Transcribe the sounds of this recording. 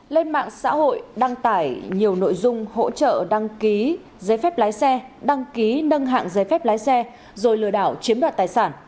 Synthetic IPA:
le˧nma̰ː˧˨ŋsa̰ː˧˥ho̰˧˨jɗa˧ŋt̪aː˧˩jɲi˨˩əwno̰˧˨jzʊ˧ŋ͡mho̰˧˥t͡ɕə̰ː˧˨ɗa˧ŋki˨˦ | zəː˨˦jfɛ˦˥p̚laː˨˦jsɛ˧ɗa˧ŋki˨˦nə˧ŋɦa̰ː˧˨ŋzəː˨˦jfɛ˦˥p̚laː˨˦jsɛ˧ | zo˨˩jlɨ̰˧əɗaː˧˩wt͡ɕi˨˦ənɗwaː˨˩t̪̚aː˨˩jsaː˧˩n

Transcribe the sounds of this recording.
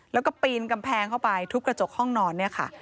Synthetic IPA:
lɛː˦˥wkɔː˥˩piː˧nka˧mpʰɛː˧ŋkʰa˥˩wpa˧jt̪ʰu˦˥kɾa˧t͡ɕo˨˩k̚hɔ˥˩ŋnɔː˧nːi˥˩ɐkʰa̰˥˩

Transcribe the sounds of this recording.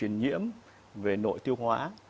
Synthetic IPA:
wḭ˨˩ənɲḭ˧˥əm | ve˨˩no̰˧˨jt̪i˧əwhwaː˨˦

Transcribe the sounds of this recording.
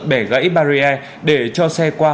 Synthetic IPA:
ɓɛ˧˩ɣə̰˧˥jɓaː˧ɾi˧ʔɛ˧ | ɗe˧˩t͡ɕɔ˧sɛ˧kwaː˧

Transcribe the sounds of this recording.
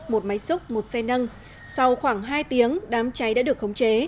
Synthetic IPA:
mo˨˩t̚ma˨˦jsʊ˦˥k͡p̚mo˨˩t̚sɛ˧nə˧n | sa˧wxwaː˧˩ŋɦaː˧jt̪i˨˦əŋɗaː˨˦mt͡ɕa˨˦jɗa̰ː˧˥ɗɨ˨˩ək̚xə˨˦wŋ͡mt͡ɕe˨˦

